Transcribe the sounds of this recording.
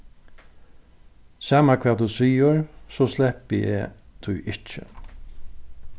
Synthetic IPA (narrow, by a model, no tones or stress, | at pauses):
saːmakʰvaːt̪usiːəɹsɔslɛhpɪɛ̰t̪ʰʊjʔɪht͡ʃɪ̰